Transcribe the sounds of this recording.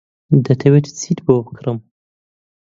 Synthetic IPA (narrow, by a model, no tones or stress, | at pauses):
d̪ɐt̪ʰɐwet̪ʰt͡sʰit̪bobɨkɾɨm